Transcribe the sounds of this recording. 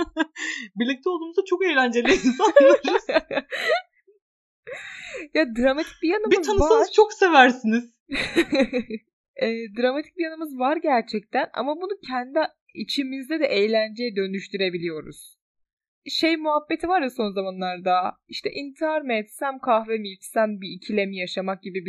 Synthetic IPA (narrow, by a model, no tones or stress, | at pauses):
biɾlʲic̚t̪ʰɛo̞lˠd̪uːmuzd̪at͡ʃʰo̞ke̞jlʲænd͡ʒelʲiinsanɯz | jad̪ɾamat̪ʰicbijanɯmbiɯzʰamsaanɯɾzt͡ʃʰoksevæɾsiniz̥ | ɛːd̪ɾamat̪ʰi̥c̚bijanɯmɯzvaɾɟæɾt͡ʃʰɛc̚t̪ʰæna̰mabunucʰɛnd̪i | it͡ʃʰimizd̪ɛd̪ɛʔejlʲænd͡ʒejɛd̪ø̞nyʃt̪ʰyɾe̞bilʲijo̞ɾṵz̥ | ʃe̞jmuɦabːe̞t̪ʰivaɾjaso̞nzamanlˠaɾd̪aiʃt̪ʰɛʔint̪ʰæɾnɛt̪sæmkʰahvemit͡ʃsænbiːcʰilʲemijaʃamak̚ɟibibi